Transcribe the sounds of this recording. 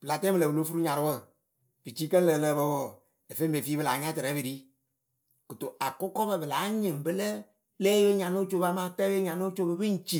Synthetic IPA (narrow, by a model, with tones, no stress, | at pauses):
b̥ɨ˨la˨tɛ˦bɨ˨lə˨bu˨lo˦fu˦ɾu˦ɲa˨ɾʊ˦wə˦˨ | bɨ˨t͡ʃiː˦kə˦nlə˨ləː˧˦˨bə˧˦wɔ˨ | e˨fe˦mbe˨fiː˦bɨ˧la˨˦ɲa˦tɨ˨ɾɛ˨˦bɨ˨ɾi˦ | kɨ˨to˨ʔa˨kʊ˦kɔ˦bə˧˨bɨ˨la˨˦ɲɨ˨ŋbɨ˦lə˦ | lɛː˦we˦ɲa˨no˦t͡ʃo˦ba˧ma˦tɛ˦e˦ɲa˨no˦t͡ʃo˦bɨ˧bɨ˦n̩˦t͡ʃi˦˨